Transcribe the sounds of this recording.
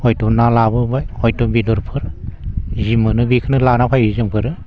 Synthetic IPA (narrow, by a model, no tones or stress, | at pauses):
hɔjtɔnalabɯbajɔjtɔbidɔɾpʰɯɾ | zimɯnɯbikʰɯnɯlanapʰajizɯŋpʰɯɾɯ